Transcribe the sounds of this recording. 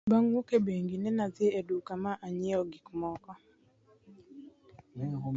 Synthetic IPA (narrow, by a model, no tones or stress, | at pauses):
baŋwokebeŋɡinɛnazɪedukamaʔaɲɪɔɡikmɔkɔ